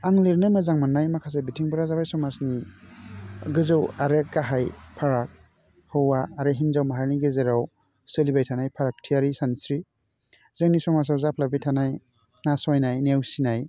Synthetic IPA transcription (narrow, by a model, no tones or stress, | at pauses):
aŋliɾnɯmazaŋmanːajmakʰas̬ebitʰiŋbɔɾazabajsɔmasni | ɡɯzɯwaɾeɡaɦajpʰaɾak̚ | hɯwaːɾeɦinzawmaɦaɾniɡezeɾaw | sɯlibajtʰanajpʰaɾak̚tʰijaɾisansɾi | zeŋnisɔmas̬awzapʰlabijtʰanaj | nasɔjnajnewsinaj